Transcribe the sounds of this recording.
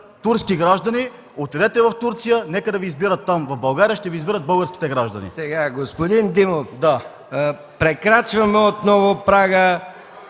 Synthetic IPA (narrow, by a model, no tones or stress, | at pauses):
t̪uɾskiɡɾaʒd̪ɐni | ot̪ɛd̪ɛt̪ɛvɐft̪uɾt̪sijənɛkəd̪ɐviːzbiɾət̪ːamvɐvbɐlˠɡaɾijəʃt̪ɛvizbiɾət̪̚bɤlˠɡəɾskʲi̥t̪ɛɡɾaʒd̪ɐnḭsɛɡaɡospod̪ind̪imofd̪a | pɾɛkɾat͡ʃvɐmɛot̪nɔvopɾaɡə